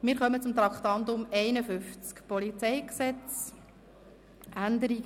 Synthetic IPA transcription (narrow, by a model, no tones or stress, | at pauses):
mɪːɾχœmət͡sʊmt̪ɾɑkχt̪ɑnd̪ʊmɛɪnəfʏft͡skpɔlit͡sɛjksɛt͡s | ʔænd̪əɾiɡ